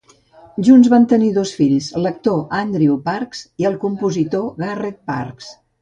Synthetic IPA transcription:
ʒunzβant̪əniðosfiʎslək̚t̪oʔand̪ɾiupaɾkz̥iəlˠkumpuzit̪oɣaret̪̚pa̰ɾks

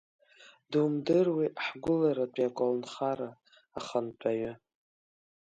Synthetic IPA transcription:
dumdɨrwiʔħɡʷʊlaɾat͡pʼjakʷʼalnχaɾa | aχantʷʰaɥʏ

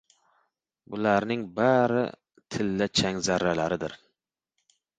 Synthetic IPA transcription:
bʊlaɾnɪŋbaɾɪ̰ | t̪ʰɪlːat͡ʃʰaŋzaɾːalaɾɪd̪ɪ̰ɾ

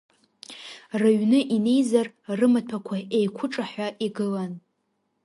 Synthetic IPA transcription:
raɥnɨʔine̞jzar | rɨmatʰakʷʰaejkʷʰʊʈ͡ʂʼaħʷaʔiɡɨlan

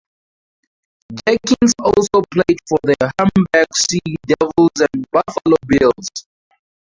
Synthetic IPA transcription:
d͡ʒɛkʰĩnsɔlsopʰledfɔðəhãmbaɡsidɛvlzɛ̃nbafalobilz

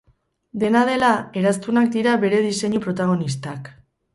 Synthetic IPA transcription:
d̪e̞nað̞e̞lae̞ɾast̪unak̚d̪iɾaβe̞ɾe̞ðise̞ɲupɾo̞t̪aɣ̞o̞nist̪ak

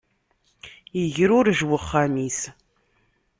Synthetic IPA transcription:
jəʝəɾʊɾʒwəχːæmis

